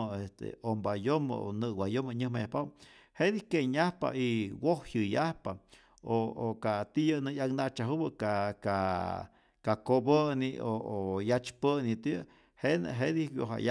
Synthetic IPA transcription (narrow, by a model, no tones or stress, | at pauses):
est̪ḛombajom̰o̰nɨwajomaɲɨhmajahpaw | hed̪ikeɲahpa̰iwohjɨjahpa | ookat̪ijənɨjaknat͡ʃaɦubɨkaka | kakobənioojat͡ʃpənit̪ | henɦed̪iwjo̰ɦa̰ja